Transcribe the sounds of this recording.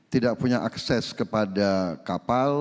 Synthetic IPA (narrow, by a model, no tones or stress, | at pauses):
t̪idaʔ̚puɲaʔaksɛskəpadakapal